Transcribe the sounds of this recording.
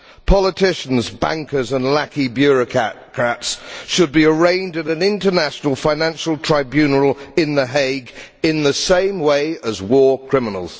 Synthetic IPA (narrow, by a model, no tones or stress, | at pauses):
pʰɑlˠətʰɪʃə̃n̩zbæ̰̃ŋkə˞zə̃nlækibjʊɹɨkʰkʰɹ̥ætsʃəd̚biəɹẽɪ̃ndɨɾɨ̃nɪ̃ntənæʃnəl̩ˠfãɪ̃næ̃nʃəl̩ˠtʰɹ̥aɪbjʉnəl̩ˠɪ̃nðəɦeɪɡ | ɪ̃nðəsẽɪ̃mweɪəzwɔɹkʰɹ̥ɪmənəl̩ˠz̥